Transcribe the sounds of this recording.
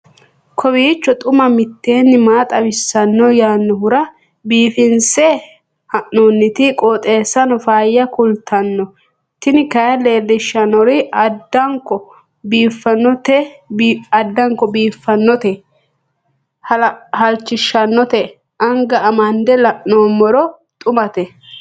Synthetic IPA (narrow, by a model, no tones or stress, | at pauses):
kʰɔβiːt͡ʃːɔt̪ʼʊmɐmɪt̪ːe̞ːnːɪmaːt̪ʼɐbɪsːɐnːɔjaːnːɔhʊɾɐ | biːfɪnsɛ | hɐʔnonːɪt̪ɪkʼɔːt̪ʼe̞ːsːɐnɔfaːjːɐkʊlt̪ʰɐnːɔ | t̪ɪnɪkɐjɐleːlːɪʃːɐnɔɾɪɐd̪ːɐŋkːɔ | biːfːɐnːɔt̪ɛ | ɐd̪ːɐŋkːɔbiːfːɐnːɔt̪ɛ | hɐhɐlt͡ʃːɪʃɐnːɔt̪ɛ | ʔɐŋɡɐɐmɐnd̪ɛlɐʔnoːmɔɾɔ | t̪ʼʊmɐt̪ɛ